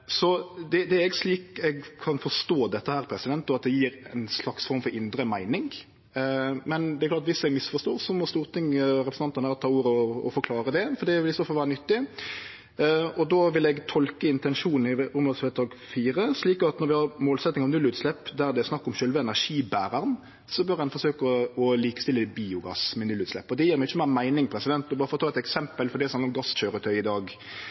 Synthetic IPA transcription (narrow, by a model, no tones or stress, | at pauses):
sɔd̪ɛd̪ɛɛɾɛɡsliːkɛɡkʰɑnfɔʂt̪oːd̪ɛt̪ːəhæːɾpʰɾɛsɪd̪ɛnt̪ːɔɑt̪̚d̪ɛjiːɾɛ̰nslɑksfɔɾmfɔɾɪnd̪ɾəmæɪnɪŋ | mɛnd̪ɛɾklɑt̪ʋɪsɛɡmɪsfɔʂt̪oːɾsɔmɔst̪uːɾt̪ɪŋːɾɛpɾsn̩ɑnt̪ənæːɾɔt̪ʰɑːuːɾəɔɔ̰fɔɾkʰlɑːɾəd̪ɛfɔɾd̪ɛʋɪlɪsoːfɑlʋæːɾənʏt̪ːɪ | ɔd̪oʋɪlɛɡt̪ʰɔlkəɪnt̪ɛnʂuːnn̩ɪʊmd̪ɑsfeːt̪ɑːɡ | fiːɾəsliːkɑt̪nɔɾʋɪhɑɾmoːlsɛt̪nɪŋɑʋnʉlːʉːt̪slɛpːd̪æʁd̪ɛæɾsnɑkːɔmɕœlʋəɛnæʁʂiːbæːɾəʁn | sɔbœɾhɛnfɔʂøːkəɔliːkəst̪ɪlːəd̪̚biːʊɡɑ̰smɛnʉlːʉːt̪slɛ̰pːɔd̪ɛjiːɾmɛɪɪçːəmæːmæɪnɪŋpʰʁɛsɪd̪ɛnt̪ɔbɑːɾəfɔɾɔt̪ɑːɛt̪ɛksɛmpəlfɔɾd̪ɛsmhɑnɾɔmɡɑsɕøːɾət̪ʰœʏɪd̪ɑːɡ